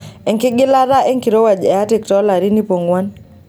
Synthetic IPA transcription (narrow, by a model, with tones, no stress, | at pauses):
ɛ˨ŋkɪ˦ɡɪ˦la˦ɾa˦ɛ˦ŋki˨ɾo˦wa˨d͡ʒɛ˨a˦tɪ˨ktɔ˦la˨ɾi˦ni˦po˨ŋɡwa˦n